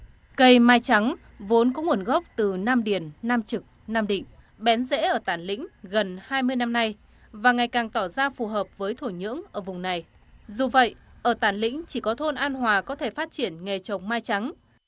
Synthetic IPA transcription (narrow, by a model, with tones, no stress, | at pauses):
kə˧jmaː˧jt͡ɕa˨˦ŋ | vo˨˦nkɔ˨˦ŋu˨˩ənɣə˦˥wp̚t̪ɨ˨˩naː˧mɗi˧˩ənːaː˧mt͡ɕɨ˨˩k̚naː˧mɗḭ̈˧˨ŋ̟ | ɓɛ˨˦nzḛ˧˥ʔəː˧˩t̪aː˧˩nlḭ̈˧˥ŋ̟ɣə˨˩nhaː˧jmɨ˧əjna˧mna˧j | vaː˨˩ŋa˨˩jkaː˨˩ŋt̪ɔ˧˩zaː˧fu˨˩ɦəː˨˩p̚vəː˨˦jt̪ʰo˧˩jɲɨ̰˧˥əŋʔəː˧˩vʊ˨˩ŋ͡mna˨˩j | zu˨˩və̰˧˨jʔəː˧˩t̪aː˧˩nlḭ̈˧˥ŋ̟t͡ɕi˧˩kɔ˨˦t̪ʰo˧nʔaː˧nɦwaː˨˩kɔ˨˦t̪ʰe˧˩faː˦˥t̚t͡ɕi˧˩ənŋe˨˩t͡ɕə˨˩wŋ͡mmaː˧jt͡ɕa˨˦ŋ